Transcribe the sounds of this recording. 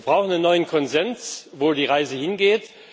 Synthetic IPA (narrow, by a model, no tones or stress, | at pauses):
b̥ʁaʊxn̩ənːɔʏənkʰɔnzɛnsvoːdiːʁaɪzəhɪnɡeːt